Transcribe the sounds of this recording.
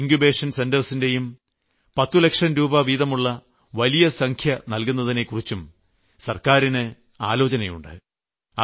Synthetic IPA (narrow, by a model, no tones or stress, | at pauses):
ŋkube̞ːʂɐnse̞ndɐrsinde̞jum | pɐt̪ːule̞kʂɐnɾuːbɐʋiːðɐmuɭːɐ | ʋɐlijɐsɐŋkʰjɐnɐlkunːɐðine̞kurit͡ɕːum | sɐrkaːɾinɨ | a̰ːlo̞ːt͡ɕɐnɐjṵɳɖɨ̰ | ɐ